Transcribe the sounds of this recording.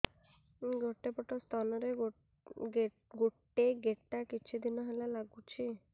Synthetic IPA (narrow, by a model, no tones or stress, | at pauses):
ɡoʈebɔʈɔst̪ʰanɔɾe | ɡoʈeɡeʈakit͡ʃʰid̪inɔɦelalaɡut͡ʃʰi